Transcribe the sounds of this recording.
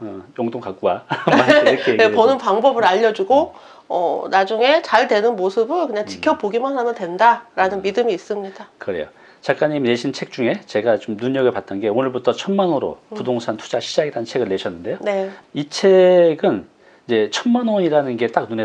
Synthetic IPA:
ʌjoŋdoŋkak͈ua | kʰepʌnɯnpaŋbʌbɯɾaʎːʌd͡ʑuɡo | ʌ̰nad͡ʑuŋe̞t͡ɕaɭdwe̞nɯnmosʰɯbɯɭkɯɲaŋt͡ɕi̥kʰjʌpoɡimɯnɦamjʌntwe̞ndaɾanɯnmidɯmiːs͈ɯmɲid̥akɯɾe̞̰jo̰ | t͡ɕak͈aɲimneɕʰint͡ɕʰe̞k̚t͡ɕ͈uŋe̞t͡ɕe̞ɡat͡ɕomnuɲʌɡɯɭpat͈̚ʌnɡe̞onɯɭbutʰʌt͡ɕʰʌnmanoɾo̰pudoŋsʰantʰu̥d͡ʑaɕʰid͡ʑaɡiɾaɯnt͡ɕʰe̞ɡɯɭːe̞ɕʰʌnːɯnde̞joneit͡ɕʰe̞ɡɯn | id͡ʑe̞t͡ɕʰʌnmanoɲiɾanɯnɡe̞t͈ak̚nune

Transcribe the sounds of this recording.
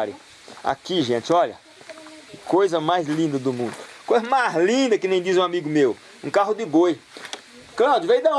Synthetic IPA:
ɾʊ | a̰kiʒẽt͡ʃɪɔʎɐ̰ | kojzɐmajzlĩnd̪ɐd̪ʊmũd̪ʊkojzɐmazlĩd̪ɐkɪnẽj̃d͡ʒ̪izũamiɡʊmew | ũkaɦʊd̪ɪboj | klawd͡ʒʊvejd̪ɐ

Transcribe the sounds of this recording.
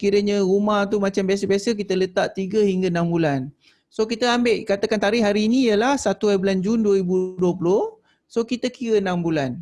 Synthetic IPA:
kiɾəɲə̃ɣumaht̪̬umat͡ʃambias̬əbiasək̬it̪ələt̪aʔt̪iɡəhiŋɡanãmbulan | sokit̪əambɪʔkat̪akant̪aɾɪɦaɾiːnĩjəlahsat̪uabland͡ʒunduəɾibuduəp̬ulʊh | sokit̪əkiɾənambulan

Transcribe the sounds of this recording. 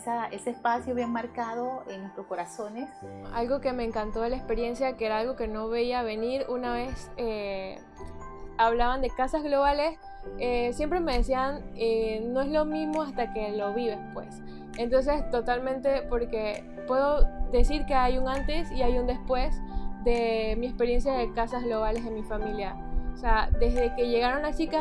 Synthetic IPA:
saeseːspasjoβjeŋmaɾkaðo̞eŋnwest̪ɾosko̞ɾaso̞nesa̰lɣo̞ke̞me̞ːŋkant̪o̞ðelaespe̞ɾje̞nsjakeeɾaalɣo̞ke̞no̞βeiaβeniɾunaβe̞se | aβlaβand̪e̞kasazɣlo̞β̞ale̞s | esje̞mpɾe̞me̞ðesianeno̞e̞zlo̞mĩzmo̞ast̪ake̞lo̞βiðe̞spwe̞̰s | ent̪o̞ns̬e̞st̪o̞t̪almẽ̞nt̪e̞po̞ɾke̞ | pwe̞ðo̞ðe̞siɾke̞ajuŋãnt̪e̞siajund̪e̞spwe̞sd̪e̞miespe̞ɾje̞nsjaðekasazɣlo̞β̞ale̞zðenmifamilja | osead̪e̞zðe̞ke̞ʝe̞ɣaɾo̞nat͡ʃika

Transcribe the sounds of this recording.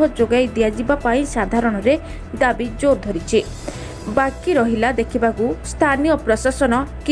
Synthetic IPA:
ɔd͡ʒoɡajd̪ijad͡ʒibapaĩsad̪ʱaɾɔɽ̃ɔɾe | d̪abid͡ʒoɾd̪ʱɔɾit͡ʃʰi | bakiɾɔɦilad̪ekʰibakust̪ʰanijɔpɾɔsasɔnɔki

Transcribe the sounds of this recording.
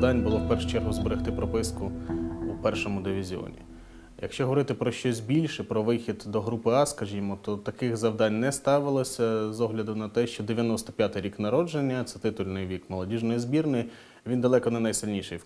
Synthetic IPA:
d̪ɑnʲbʊlˠɔwpɛrʃʊ̥t͡ʃɛɾɦʊzbeɾɪxt̪ɪpɾɔpɪskʊupɛrʃɔmʊd̪ɪʋʲizʲiɔ̰nʲḭ | jɐ̰kʃt͡ʃɔɦɔʋɔɾɪt̪ɪpɾɔʃt͡ʃɔsʲbʲilʲʃɛpɾɔʋɪxʲid̪d̪ɔɦɾupɪɑskɐʒʲimɔt̪ɔt̪ɐkɪxzɐʋd̪ɑnʲnɛst̪ɑʋɪlˠɔsʲɐzɔɦlʲɐd̪ʊnɐt̪ɛʃt͡ʃɔd̪eʋʲjɐnɔst̪ɐ̥pʲjat̪ɪjɾʲiknɐɾɔd͡ʒenʲːɐt̪sɛt̪ɪt̪ʊlʲnɪjʋʲikmɐlˠɐdʲiʒnɔjizbʲirnɪj | ʋʲind̪ɐlˠɛkɔnɐnɐjsɪlʲnʲiʃɪj

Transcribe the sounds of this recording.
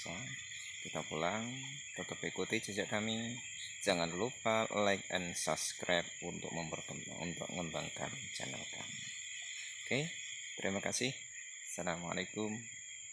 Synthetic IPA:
sa | kit̪apulaŋ | t̪ət̪əpikut̪id͡ʒad͡ʒaʔkami̥ | d͡ʒ̥aŋanlupalaɪk̚ɛ̰nsaskɾajp̚unt̪ʊk̚məmpərkəm̰ | ṵnt̪ʊ̰k̚ŋəmbaŋka̰nt͡ʃa̰nə̰lka̰mi | oke | t̪əɾʔimakasɪh | salama̰lekʊm

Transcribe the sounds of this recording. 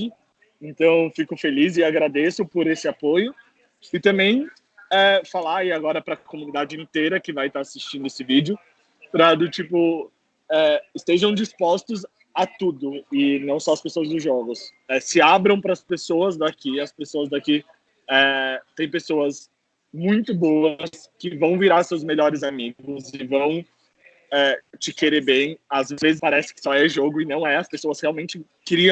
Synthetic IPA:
ẽnt̪ɐ̃w̃fikʊfelizɪaɡɾad̪esʊpʊɾesɪapojʊ | ɪt̪ɐ̃mbẽj̃ | ɛfalaɪaɡɔɾɐpɾɐkomunid̪ad͡ʒɪĩnt̪ejɾɐkɪvajt̪aasist͡ʃĩnd̪ʊesɪvid͡ʒɪʊ | pɾɐd̪ʊt͡ʃipʊ | ɛɪst̪eʒɐ̃w̃d͡ʒispɔst̪ʊz | at̪ud̪ʊɪnɐ̃w̃sɔɐspesoɐzd̪ʊzʒɔɡʊs | ɛsɪabɾɐ̃w̃pɾɐspesoɐzd̪akiɐspesoɐzd̪aki | ɛt̪ẽj̃pesoɐs | mũj̃t̪ʊboɐɐskɪvɐ̃w̃viɾaɾsewzmeʎɔɾɪzamiɡʊzɪvɐ̃w̃ | ɛt͡ʃɪkeɾeɾbẽj̃azvvezɪspaɾɛsɪ̥kɪ̥sɔɛʒoɡʊɪnɐ̃w̃ɛɐspesoɐshealwmẽnt͡ʃɪ | kɪɾiɐ̃w̃

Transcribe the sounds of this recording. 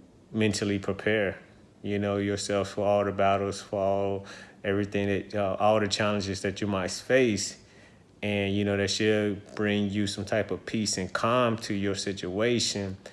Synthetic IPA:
mɛ̃ntʰl̩ˠipʰɹ̥ipʰɛɹ | jɨnoʊjə˞sɛlˠffə˞ɔlˠðəbæɾl̩ˠz̥fɑlˠoɛvɹiθɪ̃ŋðɨt̚ʌʔɔlˠðɨt͡ʃʰælˠə̃nd͡ʒɨzðɨt͡ʃɨmaɪtfeɪs | ɨ̃njɨnoʊðɨtʃɨb̥ɹɪ̃ŋjɨsʌ̃mtʰaɪpʌv̥pʰisɨ̃nkʰɑ̃mtʰɨjə˞sɪt͡ʃueɪʃɨ̃n

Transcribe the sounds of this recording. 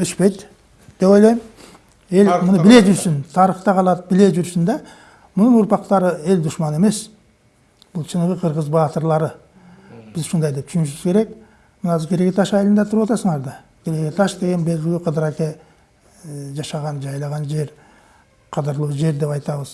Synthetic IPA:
ʏʃpe̞jt̪ | d̪̥e̞po̞jlˠɑjm | e̞lmʊnəbɪle̞ʒʏɾsɪnt̪ʰɑɾəχt̪ɑqʰɑlˠɑt̪̚bɪle̞ʒʏɾsɪnd̪ɑ | mʊnənʊɾpɑq̚t̪ɑɾəe̞ld̪ʊʃmɑne̞me̞s | b̥ʊlˠt͡ʃʰənəʁəqʰəɾʁəzbɑt̪əɾlˠɑɾə | b̥ɪzʃund̪ɑjd̪e̞p̚t̪ʰʃynɪʃɪz̥kʲʰe̞ɾe̞k | mənɑzəkʰʲe̞ɾeɡʲet̪ɑʃɑjlˠənd̪ɑt̪ʰʊɾwɑt̪ɑsəɴɑɾd̪ɑ | kʲʰe̞ɾekʲet̪ʰɑʃd̪e̞ɡʲe̞nbe̞lɡʲɪluqʰəd̪əɾɑkʲe | ʒɑʃɑʁɑnd͡ʒɑjlˠɑʁɑnd͡ʒe̞ɾ | qʰɑd̪əɾlˠuʒe̞ɾd̪e̞pɑjt̪ɑβəz̥

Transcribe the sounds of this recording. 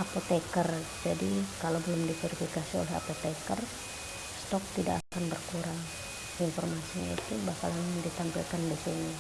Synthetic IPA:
apot̪ɛkərd͡ʒadikalawbəlʊmdifɛɾifikasio̰lɛɦa̰pot̪ekər | st̪ɔk̚t̪ida̰kakanbərkuɾaŋ | infɔrmasiɲa̰it̪ubahka̰laŋŋdit̪ampḭlkandisini

